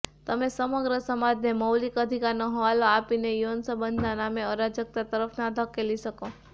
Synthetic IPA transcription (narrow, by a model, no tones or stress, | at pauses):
t̪əmesəməɡɾəsəmad̪neməwlikəd̪ʱikaɾnoɦoʋaloapinejonsəbənd̪nanameəɾad͡ʒək̚t̪at̪əɾəfʰnad̪ʱəkeliʃəko